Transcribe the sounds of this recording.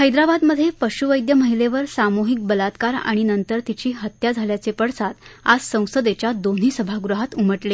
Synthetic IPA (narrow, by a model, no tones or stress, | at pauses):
həjd̪ɾabad̪məd̪ʱːjepəɕuʋəjd̪jəməɦileʋəɾsamoɦik̚bəlat̪kaɾa̰ɽ̃inənt̪əɾt̪it͡ɕiːɦət̪jad͡zʱaljat͡sepəɽsat̪a̰d͡zsə̃w̃səd̪et͡ɕjad̪on̤iːsəbʱaɡɾuɦat̪uməʈle